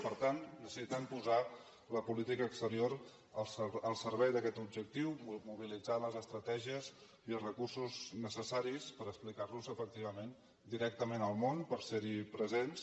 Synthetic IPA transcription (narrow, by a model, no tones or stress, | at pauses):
pəɾt̪annəsisit̪əmpuza | ləpulit̪ikəːkst̪əɾioɾ | əsəlˠsəɾβɛjðəkɛt̪ubʒək̚t̪iwmuβilid͡zaləzəst̪ɾət̪ɛʒiəz | iəlˠzrəkursuznəsəsaɾispəɾəksplikarluzəfək̚t̪iβ̞əmen | d̪iɾɛk̚t̪əmenəlˠmonpəɾseɾipɾəzens